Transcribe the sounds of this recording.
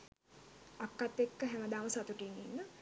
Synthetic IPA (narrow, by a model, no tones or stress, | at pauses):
akːat̪ːekːəɦɛməd̪aːməsat̪uʈininːə